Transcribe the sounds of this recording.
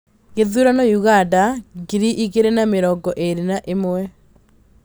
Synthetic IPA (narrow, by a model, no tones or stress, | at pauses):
ɣeðuɾanɔjuɣandaɡiɾiʔiɣeɾenameɾɔɡɔʔeɾenaʔemwɛ